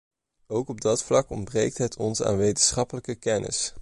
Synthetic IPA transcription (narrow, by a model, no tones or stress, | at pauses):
owkɔb̚dɑtflɑkɔnbrejk̚tɦətʰɔnsa̰ːnʋejtənsχɑpələkəkɛnʔɪ̰s